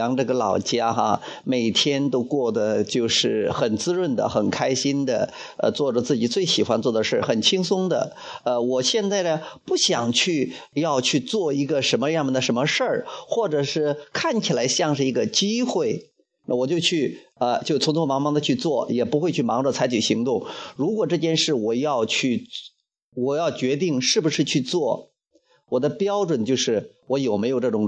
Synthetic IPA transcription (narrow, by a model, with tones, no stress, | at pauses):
ɑ˧˥ŋʈ͡ʂɤ˥˩ɡə˩lɑ˨˩ʊt͡ɕja˥xa̰˧me˨˩ɪt̪ʰjɛ˥nt̪o˥ʊkwɔ˥˩d̪ə˩t͡ɕjo˥˧ʊʂɻ̩˥˩xə˨˩nt͡sɹ̩˥ɻwə˥˩nd̪ə̰˨xə˨˩nkʰa˥ɪɕi˥nd̪ə̰˨˩ | ə̰˧t͡swɔ˥˩ʈ͡ʂə˩t͡sɹ̩˥˩t͡ɕi˨˩t͡swe˥˩ɪɕi˨˩xwa˥nt͡swɔ˥˩d̪ə˩ʂɻ̩ə˥˩xə˨˩nt͡ɕʰi˥ŋsʊ˥ŋd̪ə̰˨ | ə˧wɔ˨˩ɕjɛ˥˧nt͡sa˥˩ɪd̪ə˩pu˥˩ɕjɑ˨˩ŋt͡ɕʰy˥˧jɑ˥˧ʊt͡ɕʰy˥˧t͡swɔ˥˩i˧˥ɡə˧ʂə˧˥nmə˧ɻjmə˨˩nd̪ə˩ʂə˧˥nmə˧ʂə˞˥˩xwɔ˥˩ʈ͡ʂɤ˨˩ʂɻ̩˥˩˧kʰa˥˩nt͡ɕʰi˨˩la˧˥ɪɕjɑ˥˧ŋʂɻ̩˥˩i˧˥ɡə˧t͡ɕi˥xwe˥˩ɪ | na̰˥˩wɔ˨˩t͡ɕjo˥˧ʊt͡ɕʰy˥˩ə˧t͡ɕjo˥˧ʊ˩t͡sʰʊ˧˥ŋt͡sʰɔ˥mɑ˧˥ŋmɑ˧˥ŋd̪ə˧t͡ɕʰy˥˧t͡swɔ˥˩jɛ˨˩pu˧˥xwe˥˧ɪt͡ɕʰy˥˩mɑ˧˥ŋʈ͡ʂə˥˧˩t͡sʰa˧˥ɪt͡ɕʰy˨˩ɕi˧˥ŋt̪ʊ˥˩ŋɻu˧˥kwɔ˨˩ʈ͡ʂɤ˥˧t͡ɕjɛ˥˧nʂɻ̩˥˩wɔ˨˩jɑ˥˧ʊt͡ɕʰy˥˩ | wɔ˨˩jɑ˥˩ʊt͡ɕɥɛ˧˥t̪̬i˥˩ŋʂɻ̩˥˩bu˩ʂɻ̩˥˧t͡ɕʰy˥˧t͡swɔ˥˩ | wɔ˨˩d̪ə˦pjɑ˥ʊʈ͡ʂwə˨˩nt͡ɕjo˥˧ʊʂɻ̩˥˩wɔ˧˥jo˨˩ʊme˧˥jo˨˩ʊʈ͡ʂɤ˥˩ʈ͡ʂʊ˨˥ŋ